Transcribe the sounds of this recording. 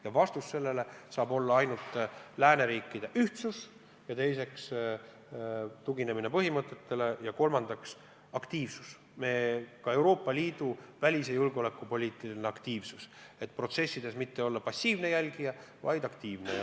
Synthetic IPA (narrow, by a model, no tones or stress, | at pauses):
jɑvɑst̪usse̞lːe̞le̞sɑːbo̞lːɑɑjnult̪læːne̞ɾiːkːˑid̪̥e̞ʔyht̪sus | jɑt̪e̞jse̞ks | t̪uɡine̞mine̞pɤɦimɤt̪ːˑe̞t̪ːe̞le̞jɑko̞lmɑnd̪̥ɑks | ɑkt̪iːvsus | me̞kɑe̞wɾo̞ːpːˑɑliːd̪̥uvælʲis̬ejulɡ̥olekːˑupo̞lʲiːt̪ˑilineɑkt̪iːvsuset̪ːˑpro̞t̪se̞sːid̪̥e̞smit̪ːe̞o̞lːɑpɑsʲːiːvne̞jælʲɡijɑvɑjd̪̥ɑkt̪iːvne